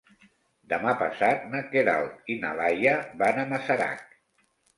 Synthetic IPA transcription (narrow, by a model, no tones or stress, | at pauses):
d̪əmapa̰sat̪̚nakeða̰lt̪ina̰lajaβanamasaɾa̰k